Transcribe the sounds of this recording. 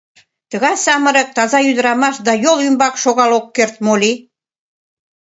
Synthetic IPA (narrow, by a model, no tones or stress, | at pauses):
t̪ə̆ɣɑjsɑmə̆ɾək̚t̪ɑzɑjyd̪əɾɑmɑʃd̪ɑjolymbɑkʃoɣɑlokːert̪̚moli